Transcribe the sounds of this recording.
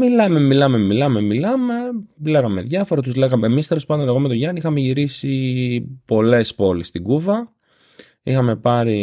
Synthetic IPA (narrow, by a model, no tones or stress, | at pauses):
milɐme̞milɐme̞milɐme̞milɐme̞leɣɐme̞ðʝɐfo̞ɾɐt̪uzleɣɐmemist̪e̞lospɐnd̪oneɣomet̪o̞ʝɐnixɐmeʝiɾisipo̞le̞spo̞list̪iɡuvɐ | ixɐme̞pɐɾi